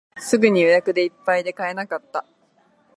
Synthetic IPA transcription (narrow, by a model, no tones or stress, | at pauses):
sɨɡɯ̟ɲ̟ijojakɯ̟d̪e̞ipːaid̪e̞kae̞nakat̪ːa